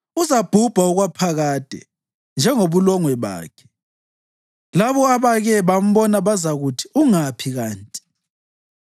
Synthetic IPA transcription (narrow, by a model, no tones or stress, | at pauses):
uzab̥ʱub̥ʱauɣwapʰaɣaːd̥ʱɛ̰ | nd͡ʒʱɛŋoβulɔŋwɛβa̰ːkʰɛ̥ | laβɔaβaɣɛβam̩βɔnaβazaɣutʰi̥uŋapʰiɣaːntʼi̥